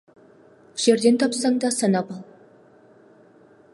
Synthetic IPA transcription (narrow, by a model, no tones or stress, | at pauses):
ʒ̥eɾd̪e̞nt̪ʰɑpsɑŋd̪ɑsɑnɑpɑlˠ